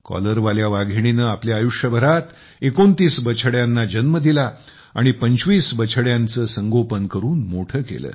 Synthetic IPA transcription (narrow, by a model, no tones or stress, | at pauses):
kɔ̰ləɾʋaljaʋaɡʱiɽ̃inəːapljaːjuʂjəbʱəɾat̪ | ekont̪iːsbət͡ɕʰəɽjanːad͡ʑənməd̪ila | a̰ɽ̃ipəɲt͡ɕʋiːsbət͡ɕʰəɽjãnt͡səːsəŋɡopənkəɾuːnmoʈʰəːkḛlə̰ː